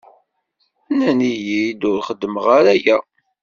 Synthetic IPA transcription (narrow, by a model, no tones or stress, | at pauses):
ænænijid̪ʊɾχəd̪ːəməʁaɾæjæ